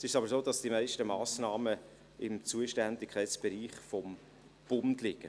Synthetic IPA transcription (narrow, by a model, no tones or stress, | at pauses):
sɪʃɑbəɾsoːd̥ɑsd̥imæɪʃtəmɑːsnɑːmə | ɪmt͡suəʃtændɪkʰχɛɪtt͡sb̥ɛɾiːχfɔm | b̥ʊndlɪɡ̥ə